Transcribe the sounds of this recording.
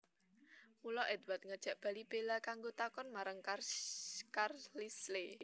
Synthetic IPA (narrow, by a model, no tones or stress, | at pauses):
mulɔʔɛd̪wat̪̚ŋəd̥ʒ̥ä̤ʔb̥ä̤lib̥elakaŋɡot̪akɔnmaɾaŋka | karlisle